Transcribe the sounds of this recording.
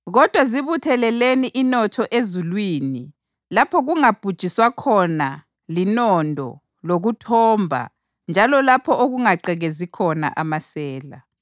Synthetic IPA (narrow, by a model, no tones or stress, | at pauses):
ɣɔd̥ʱwaziβutʰɛlɛleniʔinɔtʰɔʔezulwiːni | lapʰɔɣuŋab̥ʱud̥ʒ̥ʱiswakʰɔna | linɔndʱɔ̰ | loɣutʰɔmbʱa̰ | nd͡ʒʱalɔlapʰɔʔoɣuŋaǃɛɣezikʰɔna̰ʔamasɛːla̰